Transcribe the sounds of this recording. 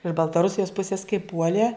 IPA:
ɪʃ bɐlˠtɐˈrʊsʲɪjoːs ˈpʊsʲɪs kɐɪ ˈpuɔlʲeː

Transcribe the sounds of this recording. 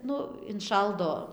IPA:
ˈnʊ ɪnˈʃɐlˠdoː

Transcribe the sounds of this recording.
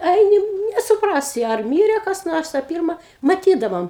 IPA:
ˈɐɪnʲɪ nʲɛsʊˈprɑːsʲɪ ɐr ˈmʲiːrʲɛ kɐs ˈnoːrs ɐ ˈpʲɪrmɐ mɐˈtʲiːdɐʋoːm

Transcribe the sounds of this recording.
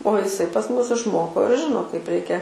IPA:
oː ɪˈsɐɪ pɐs ˈmʊs ɪʃˈmoːkoː ɪr ˈʒʲɪnoː kɐɪp ˈrʲɛɪkʲɛ

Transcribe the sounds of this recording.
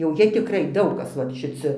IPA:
jɛʊ ˈjiɛ tʲɪkˈrɐɪ ˈdɐʊk ˈkɐs ʋɐ ʃʲɪˈt͡sʲɪ

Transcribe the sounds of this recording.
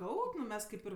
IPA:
ˈkɐʊpʲ nʊ ˈmʲɛs ˈkɐɪp ɪr

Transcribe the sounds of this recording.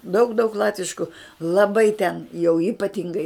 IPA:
dɐʊk dɐʊk ˈlˠɑːtʲʋʲɪʃkʊ lˠɐˈbɐɪ tʲɛn jɛʊ iːpɐˈtʲɪŋɡɐɪ

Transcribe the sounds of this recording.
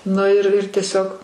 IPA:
ˈnʊ ɪr ɪr tʲiɛˈsʲoːk

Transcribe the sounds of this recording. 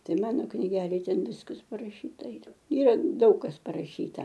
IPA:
ˈtɐɪ ˈmɑːnoː knʲɪˈɡʲæːlʲeːj ˈtʲɛn ˈʋʲɪskɐs pɐrɐˈʃʲiːtɐ ˈiːrɐ ˈiːrɐ ˈdɐʊk kɐs pɐrɐˈʃʲiːtɐ

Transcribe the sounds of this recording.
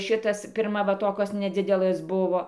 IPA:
ˈʃʲɪtɐs pʲɪrˈmɐ ˈʋɐ ˈtoːkoːs nʲɛˈd͡zʲɪdʲɛlˠɘs ˈbʊʋoː

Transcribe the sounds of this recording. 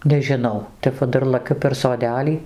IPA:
nʲɛʒʲɪˈnɐʊ ˈtʲɛp ʋɐ ˈdɐr lˠɐˈkʲʊ pʲɛr soːˈdʲæːlʲiː

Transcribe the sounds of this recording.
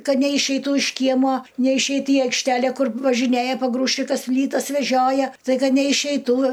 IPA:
ˈkɐt nʲɛɪʃʲɛɪˈtuː ɪʃ ˈkʲiɛmuɔ nʲɛɪʃʲˈɛɪt ɪ ɐɪkʃʲˈtʲælʲæ ˈkʊr ʋɐʒʲɪˈnʲeːjɛ pɐˈɡruːʃʲt͡ʃʲɪkɐs ˈpʲlʲiːtɐs ʋʲɛˈʒʲoːjɛ stɐɪˈɡɐ nʲɛɪʃʲɛɪˈtuː

